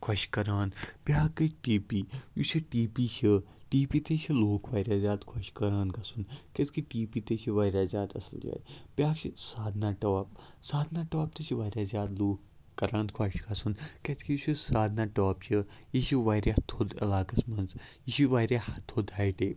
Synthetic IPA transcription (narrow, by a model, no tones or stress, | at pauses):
kʰwɐʃkɐɾaːnpʲaːkɨʈiːpijuʃiʈiːpit͡ʃʰi | ʈiːpiːt̪et͡ʃʰiloːkʰʋaːɾʲaːzʲaːd̪kʰɐʃkɐɾaːnkɐsunkɐt̪kiʈiːpiːt̪et͡ʃʰiʋaːɾjaːzjaːd̪ɐ̰sld͡ʒa̰ːjpʲjaːkt͡ʃʰisaːd̪naːʈaːp | saːd̪naːʈoːp̚t̪et͡ʃʰiʋaːɾjaːzʲjaːd̪loːkː | ɐɾãːnkʰɐʃkɐsunkɐt̪ʰkʰijuʃʰisaːd̪naːʈoːpt͡ʃʰijiʃiʋaːɾʲjaːt̪ʰod̪ɐ̰laːkɐsmɐnzjiʃiʋaːɾʲaːɐt̪ʰod̪aːiʈeː